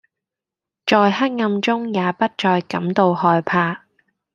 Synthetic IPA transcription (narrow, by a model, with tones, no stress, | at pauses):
t͡ʃɔː˨jhɐ˥t̚ŋɐ˧mt͡sʊ˥ŋjaː˨˧pɐ˥t̚t͡ʃɔː˧jkɐ˨˥mt̪o˧whɔː˧jpʰaː˧